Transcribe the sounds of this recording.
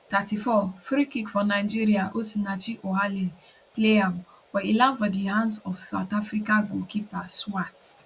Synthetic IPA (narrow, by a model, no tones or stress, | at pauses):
tatifɔfɾikikfɔnaɪd͡ʒiɾiaʔosinat͡ʃiʔoɦali | pleam | wɛilãnfɔdihãndsɔfsaʊtafɾikaɡõkipaswat